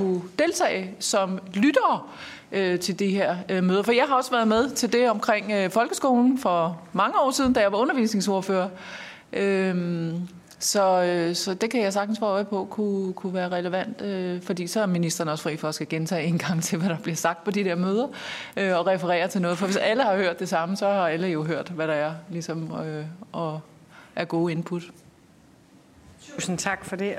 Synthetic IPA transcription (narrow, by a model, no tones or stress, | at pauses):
kʰud̥e̝lt͡sʰɛ̰ːɪsɒ̽mlyd̥ɐː | ʔøt͡sʰe̝ld̥iɦeɐ̰ømøːð̞ˠɐfɒijɑ̈ɪɦɑ̈ɒ̽sʋæɐð̞̩ˠmeð̞ˠt͡sʰe̝ld̥e̝ɒ̽mkʰʁeŋ̰øfɒ̽lɡ̥əsɡ̥o̝̰ːln̩fɒ̽mɑ̈ŋəɒ̰ːsiðˠn̩d̥æjɑ̈ɪʋɑ̈ɔ̽nɐʋḭːsne̝ŋso̝ɐføːɐ | ʔøm | sɒ̽øsɒ̽d̥e̝kʰæjɑ̈ɪs̬ɑ̈ɡ̥̚dn̩sfɑɔɪpʰɔ̽kʰukʰuʋæːɐʁɛləʋæn̰d̥øfɒd̥ḭːsɒ̽æɐminisd̥ʁɐnəɒ̽sfʁḭːfɒ̽æsɡ̥æɡ̥ent͡sʰɛ̰ːe̝nɡ̥ɑ̈ŋ̰t͡sʰe̝lʋæɾ̥ɑ̈b̥liɐsɑ̈ɡ̥̚d̥̚pʰɒ̽d̥id̥eɐ̰møːð̞ˠɐøɒ̽ʁɛfəʁɛ̰ːɐt͡sʰe̝nɔ̽ːð̞̩ˠfɒ̽ʋe̝sæləhɑ̈høɐ̰d̥ːe̝sɑ̈məsɒ̽hɑ̈æləjo̝ɦøɐ̰d̥ʋæɾɑ̈æɐlisɒ̽møɒ̽ | ʔæɐɡ̥o̝ːe̝npʰud̥ | t͡sʰusn̩t͡sʰɑ̈ɡ̥fɒd̥e